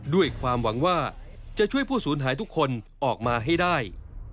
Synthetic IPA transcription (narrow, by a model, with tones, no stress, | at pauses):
du˥˩əjkʰwaː˧mwa˩˦ŋwaː˥˩t͡ɕa˨˩t͡ɕʰu˥˩əjpʰuː˥˩suː˩˦nɦaː˩˦jt̪ʰu˥kʰːo˧nʔɔː˨˩k̚maː˧ɦa˥˩jdaː˥˩j